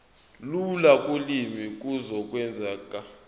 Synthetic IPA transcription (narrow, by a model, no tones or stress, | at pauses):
lulakʼulimik̬ʼuzɔk̬ʼwɛnd͡zʱaːkʼa